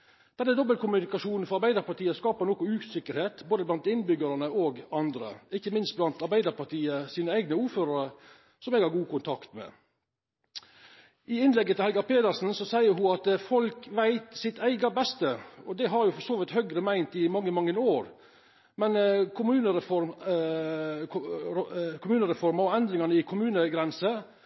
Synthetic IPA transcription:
d̪̥ɛnːəd̪ɔbːəlkʊmʉnɪkɑʂuːnn̩fɔɾɑɾbæɪd̪əɾpɑʈ̪ʰiːəskɑːpəɾnoːkʊʉːsɪkːəɾheːt̪boːd̪əblɑnt̪ɪnbʏɡəɾənəʔoɡɑnd̪ɾə̰ɪçːəmɪnst̪blɑnt̪ɑɾbæɪd̪əɾpɑʈ̪iːəsiːnəæɪɡnəuːɾføːɾəɾə | sɔmɛːɡhɑɾɡuːkʊnt̪ʰɑkt̪mɛ̰ː | ɪɪnlɛɡːət̪ɪlhɛlɡɑɾpeːd̪əɾsn̩sɔsæɪəɾɦʊɑt̪fɔlkʋæɪt̪sɪt̪æɪɡɑbɛst̪əɔd̪ɛɦɑɾjʊfɔɾsoːʋɪt̪hœɡɾəmæɪnt̪ɪmɑŋːəmɑŋːənoːɾ | mɛnkʰʊmʉːnəɾəfɔɾ | kʰʊmʉːnəɾɛfɔɾmɑɾɔɛnd̪ɾɪŋɑnəɪkʰʊmʉːnəɡɾɛnsə

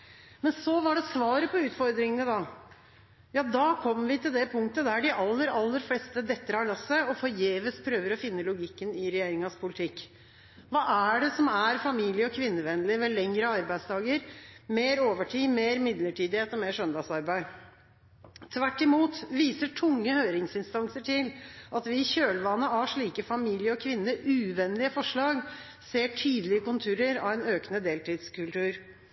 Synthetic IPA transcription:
mɛnsɔʋɑɖɛsʋɑːɾəpɔʉːt̪fɔɾd̪ɾɪŋənəd̪ɑ | jɑːd̪ɑːkʰɔmːʋɪt̪ʰɪld̪ɛpʰʊŋkt̪əd̪æɖɪʔɑlːəɾɑlːəɾflɛːst̪əd̪ɛt̪ːəɾhɑɭɑsːəɔfɔɾjeːʋəspʰɾøːʋəɾɔfɪnːəlʊɡɪkːənɪɾɛjeːɾɪŋɑspʰʊlɪt̪ʰɪkː | ʋɑːʔæɖɛsɔmæɾfɑmiːlɪəɔkʰʋɪnːəʋɛnːlɪmɛlɛŋɾəɑɾbæɪd̪sd̪ɑːɡəɾmeːɾoːʋəʈʰiːmeːɾmɪd̪ləʈʰiːd̪ɪheːt̪ɔmeːʂœnd̪ɑsɑɾbæɪ | t̪ʰʋæʈːɪmuːt̪ʋiːsəʈʰʊŋːəhøːɾɪŋsɪnst̪ɑnsəʈʰɪlʔɑt̪ʋɪçøːlʋɑnːəɑʂɭiːkəfɑmiːlɪəɔkʰʋɪnːəʔʉːʋɛnlɪəfɔʂɭɑːɡ | seːʈʰyːd̪əlɪəkʊnt̪ʰʉːɾəɾɑ̰ʋɛnøːknəd̪eːlt̪iːd̪skʉlt̪ʉːɾ

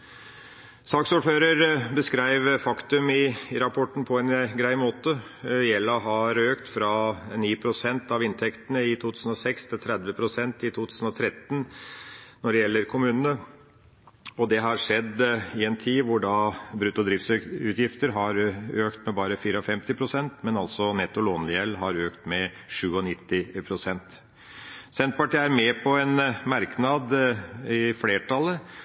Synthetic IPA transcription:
sɑːksuːføːɾəɾbəskɾæɪʋfɑkt̪ʉmɪɾɑpʰɔʈːɳ̩pʰɔɛnɡɾæɪmoːt̪ə | jɛlːɑɦɑɾøːkt̪fɾɑniːpʰɾʊsɛnt̪ɑʋɪnt̪ʰɛkt̪ənəɪt̪ʰuːt̪ʰʉːsən̩ɔsɛkst̪ʰɪlt̪ʰɾɛd̪ʋəpʰɾʊsɛnt̪ɪt̪ʰuːt̪ʰʉːsn̩ɔt̪ʰɾɛt̪ːn | nɔɖɛjɛlːəɾkʰʊmʉːnənə | ɔd̪ɛɦɑɾʂɛd̪ːɪɛnt̪ʰiːʋʊɖɑbɾʉt̪ʊd̪ɾiːft̪sʉt̪jɪft̪əɾɦɑɾøːkt̪mɛbɑːɾəfiːɾəɔfɛmt̪ɪpʰɾʊsɛnt̪mɛnɑlsɔnɛt̪ːʊloːnlɪjɛlːɦɑɾøːkt̪mɛ | ʂʉːɔnɪt̪ːɪpʰɾʊsɛnt̪ | sɛnt̪̚pɑʈiːæɾmɛpʰɔɛnmɑɾknɑd̪ɪfleːʈʰɑlːə

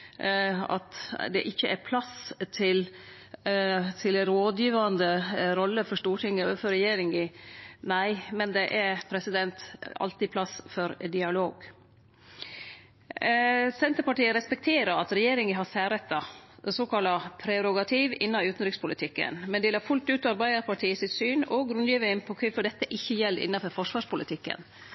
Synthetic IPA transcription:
ɑ̰t̪d̪ɛ̰ʔɪçːəʔæɾpʰlɑst̪ʰɪl | t̪ʰɪlɾoːd̪jiːʋɑnd̪əɾɔlːəfɔʂʈuːʈʰɪŋəoːʋəfœɾɛjeːɾɪŋɪnæɪmɛnd̪ɛʔæɾpʰɾɛsɪd̪ɛnt̪ɑ̰lt̪ɪpʰlɑsfɔɾd̪ɪɑloːɡ | sɛnt̪əɾpɑʈiːəɾɛspɛk̚t̪ʰeːɾəɾɑt̪ɾɛjeːɾɪŋəɦɑsæːɾət̪ːɑsoːkʰɑlɑpʰɾɛɾʊɡɑt̪ʰiːʋɪnːɑʉːt̪n̩ɾɪkspʊlɪt̪ʰɪkːə̰nmɛnd̪ɛlɑːɾfʉlt̪ʉːt̪ɑɾbæɪd̪əɾpɑʈʰiːəsɪt̪syːnɔɡɾʉnjiːʋəɪnpʰɔkʰɛfɔd̪ɛt̪ːəʔɪçːəjɛlːɪ̰nːɑfɔɾfɔʂʋɑːʂpʊlɪt̪ʰɪkːə̰n

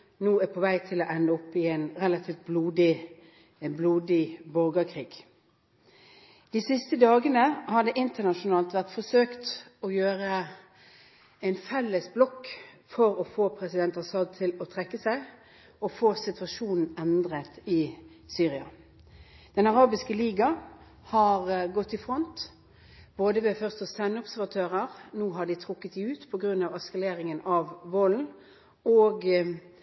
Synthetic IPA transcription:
nuːæːpʰɔʋæɪt̪ʰɪlɔʔɛnːəɔpːɪɛɪnʁɛlɑt̪ʰiːft̪̚bluːd̪ɪ | bluːd̪ɪbɔɾɡəkʰʁiːɡ̥ | d̪̥iːsɪst̪əd̪ɑːɡənəhɑd̪əʔɪnt̪ənɑʃʊnɑːlt̪ʋæʁt̪fɔsøːkt̪ɔjøːɾə | æɪnfɛlːəsblɔkː | fɔɾɔfoːpʰɾɛsɪd̪ɛnt̪ɑsɑd̪̚t̪ʰɪlɔt̪ʰʁɛkːəsæɪ | ɔfoːsɪt̪ʋɑʂuːnn̩ɛnd̪ʁət̪ɪ | syːʁɪɑ | d̪̥ɛnɑʁɑːbɪskəliːɡɑ | hɑʁɡɔt̪ːɪfʁɔnt̪ | b̥oːd̪əʋɛfœʁst̪ɔsænɔbsæʁʋɑt̪ʰøːʁəʁnuːɦɑɖɪt̪ʰɾʊkːət̪sɛʉːt̪pʰɔɡʁʉnːɑʋɛskɑleːʁɪŋənɑʋːoːln̩ | oːɡ

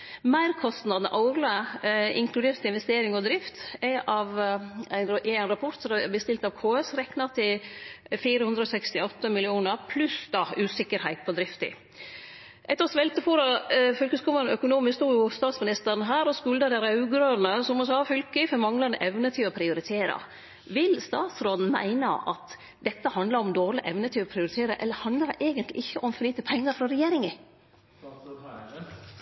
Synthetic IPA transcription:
mæɪɾkʰɔst̪nɑd̪nə̰ʔɑʊɾləɪ̰ŋkʰlʉd̪eːɾt̪ɪnʋɛst̪eːɾɪŋɔd̪ɾɪft̪æʔɑʋæɪnɛɪnɾɑpʰɔt̪sɔɛbəst̪ɪlt̪ɑʋkʰoːɛsɾɛknɑt̪ʰɪ | fiːɾəhʉnd̪ɾəɔːsɛkst̪ɪɔt̪ːəmɪlɪuːnəɾpʰlʉsd̪ɑʉːsɪkːəɾhæɪt̪̚pʰɔd̪ɾɪft̪ɪ̰ | ʔɛt̪ːəɾsʋɛlt̪əfuːɾɑfœlkəskʊːməɾnœkʊnuːmɪst̪uːjʊst̪ɑːt̪smɪnɪst̪əɾnɦæːɾɔskʉld̪ɑd̪ɛɾɑʉɡɾønəsɔmɔsɑːfʏlkəfɔɾmɑŋlɑnəʔɛʋnət̪ʰɪɔpʰɾɪʊɾɪt̪ʰeːɾɑ̰ | ʋɪlst̪ɑːt̪sɾod̪n̩mæ̰ɪnɑ̰ʔɑ̰t̪ | d̪ɛt̪ːəhɑnd̪lɑɾɔmd̪oːɾlɪʔɛʋnət̪ʰyːʋpʰɾɪʊɾɪt̪ʰeːɾəʔɛ̰lːəɾhɑnd̪ləd̪ʔeːɡənt̪lɪ̰ʔɪçːəʔɔmfɔɭiːt̪əpʰɛŋːɑɾfɾɔɾɛjeːɾɪŋɪ

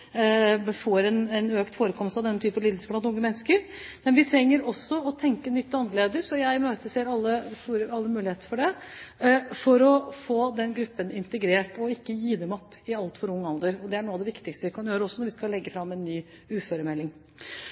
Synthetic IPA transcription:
bfoːɾɛnɛnøːkt̪foːɾəkʰɔmst̪ɑʋd̪ɛnːət̪ʰyːpəlid̪əspʰlɑnʊŋːəmɛnːəskəɾmɛnʋɪt̪ʰɾɛŋːəɾɔsːɔɔt̪ʰɛŋkənʏt̪ːɑnd̪əɭeːd̪əsɔjæɪmøːt̪əseːɾɑlːəfuɾəɑlːəmʉːɪheːt̪ə̥fɔɖɛ | fɔɾɔfoːd̪ɛnɡɾʉpːənɪnt̪əɡɾeːʈɔɪkːəjiːd̪ɛmɔpːɪɑlt̪fɔɾʊŋːɑld̪əɾɔd̪ɛæɳuːɑʋd̪ɛʋɪkt̪ɪkst̪əʋɪkʰɑnjøːɾəɔsːɔnɔɾʋɪskɑlɛɡːəfɾɑmːɛnːyː | ʉːføːɾəmɛlːɪŋ

